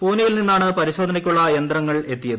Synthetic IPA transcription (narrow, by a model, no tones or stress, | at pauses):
puːnijilninːaːɳɨpɐɾiɕo̞ːd̪ʱɐnɐkʲːuɭːɐjɐnd̪ɾrɐŋːɐɭe̞t̪ːijɐðɨɨ